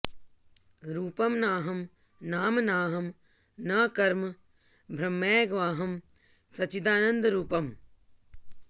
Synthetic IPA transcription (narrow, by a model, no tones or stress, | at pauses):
ɾuːpɐmnaːɦɐm | naːmnaːɦɐm | nɐːkɐɾm | bʱɾɐmːeːɡʋaːɦɐm | sɐt͡ʃid̪aːnɐnd̪ɾuːpɐm